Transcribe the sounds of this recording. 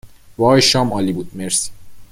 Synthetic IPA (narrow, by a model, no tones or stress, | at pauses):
vɒːjʃɒːmɒːlibuːd̪̥meɾsi̥